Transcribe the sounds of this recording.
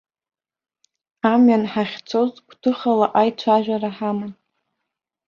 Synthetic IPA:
amɥanħaχʲt͡sʰozkʷʰtʰɨχalaʔajt͡ɕʷʰaʒᶣʷaraħamɨn

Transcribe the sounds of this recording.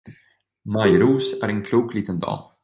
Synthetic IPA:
majɾuːsæɾɛnkʰluːkliːt̪ənd̪ɑ̰ː

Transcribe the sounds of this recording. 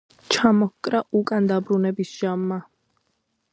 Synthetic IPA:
t͡ʃʰamɔhkʼɾaʔukʼand̪abɾunɛbisʒ̥amːa

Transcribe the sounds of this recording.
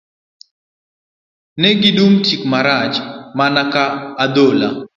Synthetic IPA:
nɛɡɪdumtʰikmaɾat͡ʃmanakaːd̪ola

